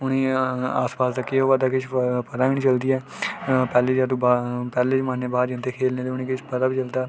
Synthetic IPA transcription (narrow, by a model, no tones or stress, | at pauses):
ʊñiːaːspaːsd̪aːkɪɦoːʋaːd̪aːkɪt͡ʃʰpəd̪aːʋiñiːt͡ʃəld̪iːɛː | pɛːleːd͡ʒaːd̪ũːbapɛːleːt͡ʃmaːnːeːbaːd͡ʒɪnt̪eːkʰeːlneːd̪eːʊniːkɪt͡ʃpəd̪aːbiːt͡ʃəld̪aː